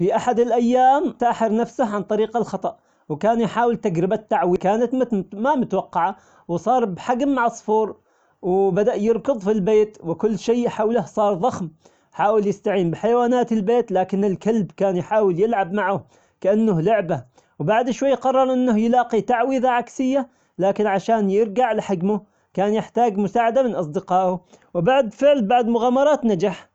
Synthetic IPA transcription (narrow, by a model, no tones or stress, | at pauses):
fiʔaħad̪ɪlʔajːaːmt̪aːħɪɾnafsahʕant̪ˤɑɾiːqɑlxɑt̪ˤɑʔ | wkaːnjħaːwɪlt̪ad͡ʒɾɪbat̪ːaʕwikaːnat̪mmamʊt̪awɑqːɑʕa | wsˤɑːɾˤbħaɡmːaʕɑsˤfuːɾˤ | wbad̪aʔjɪɾkɨðˤfilbeːt̪wɪkʊlːʃeːħawlahsˤɑːɾˤðˤɑxm | ħaːwɪljɪst̪aʕiːmbɪħajawaːnaːt̪ɪlbeːt̪laːkɪnɪlkalbkaːnjħaːwɪljɪlʕabmaʕʊ | kaʔanːʊhlʊʕba | wbaʕd̪ɪʃwajːqɑrˤːɑɾˤʔɪnːʊhjɪlɑːqit̪aʕwiːðaʕaksɪjːa | laːkɪnʕaʃaːnjɪɾɡaʕlɪħaɡmʊ | kaːnjɪħt̪aːɡmʊsaːʕad̪amɪnʔɑs̬ˤd̪ɪqɑːʔʊ | wbaʕd̪fɪʕlbaʕd̪mʊɣaːmɑɾˤɑːt̪nad͡ʒaħ